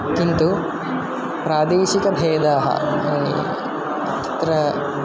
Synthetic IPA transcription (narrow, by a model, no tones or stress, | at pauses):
kint̪u | pɾaːd̪eːʃikɐbʱeːd̪aːɦɐ̰aːnḭ | ɐd̪ʰʱɐ̥t̪ɾɐ